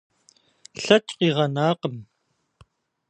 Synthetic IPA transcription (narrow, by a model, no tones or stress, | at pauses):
ɬɐt͡ʃqeʁɑnaːqəm